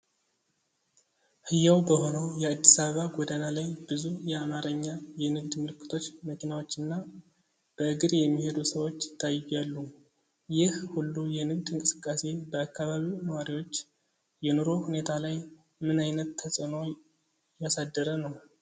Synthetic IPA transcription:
hɨjawbəho̞nəwjɛad̪ːisaβəβaɡod̪analajbɨzujɛamaɾəɲːajɛnɨɡd̪mɨlɨkːɨ̥t̪ʰo̞t͡ʃːməkinawo̞t͡ʃːɨnːa | b̥əɨɡɨɾjɛmːihe̞d̪usəwo̞t͡ʃːt̪ʰajɪjalːu | jɪhhulːujɛnɨɡd̪ɨŋkʼɨsɨ̥kʼːase̞bəakːaβaβinəwaɾiwo̞t͡ʃː | jɛnoɾo̞hune̞t̪ʰalaj | mɨnajnət̪ːʰəsʼɨno̞ | jasad̪ːəɾənəw

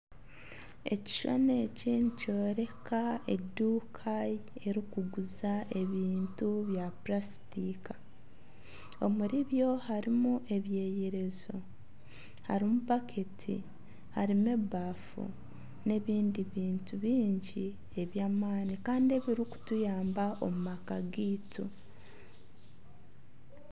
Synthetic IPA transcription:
e̞̰ci̥ʃo̰ne̞ːcinico̞ːɾe̞kʰaeduːkʰaje̞ɾikuɡuzaʔe̞βiːntuβjaplasi̥tika | o̞muɾiβjo̞haɾimuʔe̞βje̞ːjeɾe̞zo̞ | ha̰ɾimupakʰetʰḭ | haɾimebaːfṵ | ne̞βiːndiβiːntuβiːɲɟi | e̞βjaːmaːnikaːndie̞βiɾiku̥tujaːmbaʔo̞̰mumakaɡiːtu

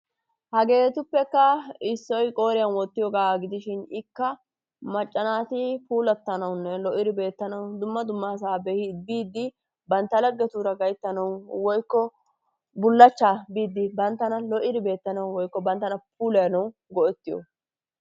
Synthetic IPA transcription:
hɐɡe̞ːt̪ʊpːɛkːɐɪsːɔjkʼo̞ːɾɪjɐnwɔt̪ːɪjɔɡaːɡɪd̪ɪʃɪnɪkːɐ | mɐt͡ʃʼːɐnaːt̪ɪpuːlɐt̪ːɐnɐwnːɛlɔʔɪd̪ɪbe̞ːt̪ːɐnɐwd̪ʊmːɐd̪ʊmːas̬aːbehɪbiːd̪ːɪ | bɐnt̪ːɐlɐɡːɛt̪uːɾɐɡɐjt̪ːɐnɐwwɔjkːɔ | bʊlːɐt͡ʃːaːbiːd̪ːɪbɐnt̪ːɐnɐlɔʔɪd̪ɪbe̞ːt̪ːɐnɐwwɔjkːɔbɐnt̪ːɐnɐpʰuːlɛjɐnɐwɡɔʔɛt̪ːɪjɔ̰

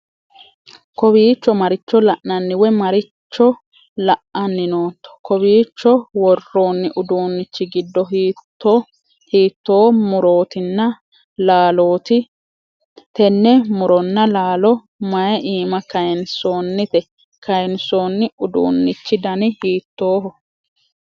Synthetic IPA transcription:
kɔbiːt͡ʃːɔmɐɾɪt͡ʃːɔlɐʔnɐnːɪwɛmɐɾɪt͡ʃːɔ | lɐʔʔɐnːɪnoːt̪ːɔ̥kɔbiːt͡ʃːɔwɔrːo̞ːnːɪʔʊd̪uːnːɪt͡ʃːɪɡɪd̪ːɔɦt̪ːo | hiːt̪ːo̞ːmʊɾo̞ːt̪ɪnːɐ | laːloːt̪ɪ | t̪ɛnːɛmʊɾɔnːɐlaːlɔ | mɐjɐʔiːmɐkɐjɛnso̞ːnːɪt̪ɛ | kɐjɛnso̞ːnːɪʊd̪ṵːnːɪt͡ʃːɪd̪ɐnɪhiːt̪ːoːɦɔ

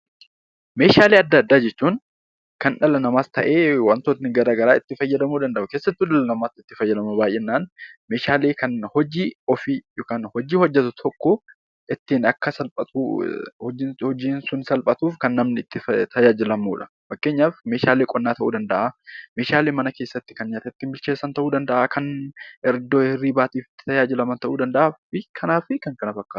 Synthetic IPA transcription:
me̞ːʃaːleːɐd̪ːɐd̪ːaːd͡ʒɛt͡ʃːuːn | kɐnᶑɐlɐnɐmaːst̪ɐʔeːwɐnt̪oːt̪nɪɡɐɾaːɡɐɾaːɪt̪ːɪfɐjːɐd̪ɐmuːd̪ɐnd̪ɐʔʊkeːsːɐt̪ːʊᶑɐlɐnɐmaːt̪ːɪt̪ːɪfɐjːɐd̪ɐmɐbaːjʔeːnːaːnmeːʃaːleːkɐnhɔd͡ʒiːɔfijkɐnhɔd͡ʒiːhɔd͡ʒːɛt̪ʊt̪ʰɔkːɔ | ʔɪt̪ːɪnɐkːɐsɐlpʼɐt̪ṵ | hɔd͡ʒiːnsʊnsɐlpʼɐt̪uːfkɐnːɐmnɪɪt̪ːɪt̪ʰɐjaːd͡ʒɪlɐmuːᶑɐ̥ | fɐkːe̞ːɲːaːfme̞ːʃaːleːkʼɔnːaːt̪ɐʔṵːd̪ɐnd̪ɐʔaːme̞ːʃaːle̞ːmɐnɐke̞ːsːɐt̪ːɪ̥kɐnɲaːt̪ɐt̪ːɪmbɪlt͡ʃeːsːɐnt̪ɐʔuːd̪ɐnd̪ɐʔaːkʰɐnɛɾd̪oːhɪrːiːbaːt̪iːfɪt̪ːɪ̥t̪ɐjaːd͡ʒɪlɐmɐnt̪ɐʔuːd̪ɐnd̪ɐʔaːfɪkʰɐnaːfɪkɐŋkɐnɐfɐkːaːt̪

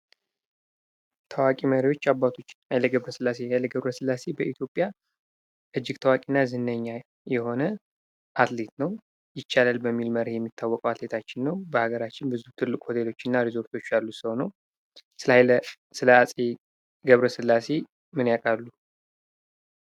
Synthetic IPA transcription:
t̪ʰəwakʼiməɾio̞t͡ʃːabːat̪ʰo̞t͡ʃːajləɡəβɾəsɨlːase̞jajlːəɡəβɾəsɨlːase̞bəʔit̪ʰjo̞pʼːja | ʔɨd͡ʒːɪɡt̪ʰəwakʼinːazɨnːəɲːa | jɛho̞nə | ʔat̪le̞t̪nəw | jɪt͡ʃːalalbəmːilməɾhjɛmːit̪ʰːawːɔkʼəwat̪let̪ʰat͡ʃːɪnːəwbəhaɡəɾat͡ʃːɪnbɨzut̪ʰɨlːɨkʼho̞t̪ʰelo̞t͡ʃːɨnːaɾizo̞ɾt̪ʰo̞t͡ʃːalːusɨhonəw | sɨlaə | sɨləasʼe | ɡəβɾəsɨlːase̞ | mɨnjakʼalːu

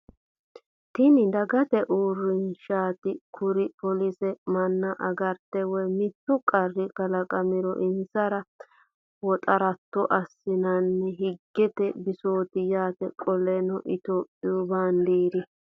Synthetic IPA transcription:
t̪ɪnɪd̪ɐɡɐt̪ɛʔuːrːɪnʃaːt̪ɪkʰʊɾɪpɔlɪsɛmɐnːɐʔɐɡɐɾt̪ɛwɔjmɪt̪ːʊkʼɐrːɪkɐlɐkʼɐmɪɾɔʔɪnsɐɾɐ | wɔt̪ʼɐɾɐt̪ːɔʔɐsːɪnɐnːɛɦɪɡːɛt̪ɛbɪsoːt̪ɪjaːt̪ɛkʼɔlɛnɔʔɪt̪oːpʼːɪjʊbaːnd̪iːd̪ɪ

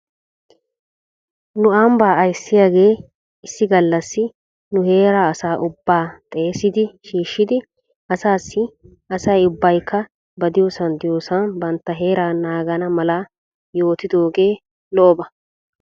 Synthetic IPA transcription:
nʊambaːɐjsːɪjaːɡe̞ː | ɪsːɪɡɐlːɐsːɪ | nʊɦe̞ːɾaːsaːʔʊbːaːt̪ʼe̞ːsɪd̪ɪʃiːʃːɪd̪ɪ | ɐsaːsːɪ | ɐsɐjʊbːɐjkʰːɐ | bɐd̪ɪjoːsɐnd̪ɪjoːsɐnbɐnt̪ːɐɦe̞ːɾaːnaːɡɐnɐmɐla | jo̞ːt̪ɪd̪o̞ːɡe̞ː | lɔʔɔbɐ

